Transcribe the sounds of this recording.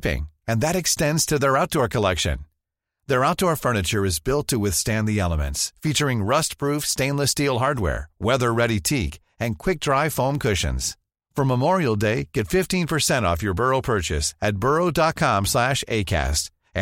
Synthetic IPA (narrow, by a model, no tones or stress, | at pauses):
pɪ̰̃ŋɨ̃nðɨɾɨkstɛ̃ndz̥tʰɨðə˞aʊt̚d̥ɔɹkʰəlɛkʃɨ̰̃n | ðə˞aʊt̚d̥ɔɹfɜ˞nɨt͡ʃə˞ɨzbɪlˠtʰɨwɨθstæ̃nðiɛlˠəmɨ̰̃ntsfit͡ʃə˞ɪ̃ŋɹʌst̚pʰɹ̥ufstẽɪ̃nləstilˠɦɑɹd̚wɛ̰ɹwɛðə˞ɹɛɾitʰik | ɨ̃nkʰw̥ɪk̚d̥ɹaɪfõʊ̃mkʰʊʃɨ̰̃nz̥ | fə̃˞məmɔɹil̩ˠdeɪɡ̥ɛtfɪftĩnpʰə˞sɛ̃ɾ̃ɔ̰fjə˞bɜ˞oʊpʰɜ˞t͡ʃɨ̰sɨt̚b̥ɜ˞oʊdɑt̚kʰɑ̃mslæʃḛɪkʰæ̰st